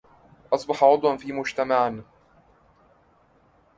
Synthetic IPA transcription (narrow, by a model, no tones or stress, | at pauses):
ʔɑsˤbɑħɑʕʊd̪ˤwanfiːmʊd͡ʒt̪amaʕn